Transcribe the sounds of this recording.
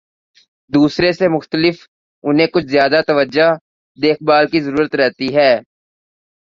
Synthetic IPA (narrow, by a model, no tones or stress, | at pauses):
d̪uːsɾesemʊxt̪əlɪf | ʊnɦẽkʊt͡ʃʰzjaːd̪at̪əʋəd͡ʒa | d̪eːk̚baːlkizəɾuːɾət̪ɾɛɦt̪iɦɛː